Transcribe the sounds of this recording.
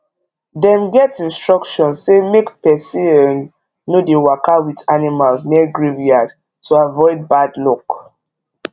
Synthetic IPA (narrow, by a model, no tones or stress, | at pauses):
dɛ̃mɡɛtĩnstɹɔkʃɔ̃nsːemekpɛsiɛnː | odewakawitanimalsniɡɹiviad | tuavɔɪd̚badlɔk